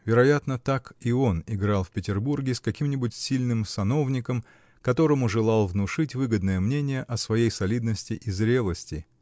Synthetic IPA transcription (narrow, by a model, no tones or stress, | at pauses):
vʲɪɾɐjat̪nət̪akɪo̞nɪɡɾɑlˠfʲpʲɪtʲɪrburɡʲɪskɐkʲimnʲɪbʊtʲsʲilʲnɨmsɐno̞vnʲɪkəm | kɐt̪o̞ɾəmʊʐɨlˠɑlˠvnʊʂɨtʲvɨɡəd̪nəjəmnʲenʲɪjəʔɐsvɐjejsɐlʲid̪nəsʲtʲɪʔizɾʲe̞lˠəsʲtʲɪ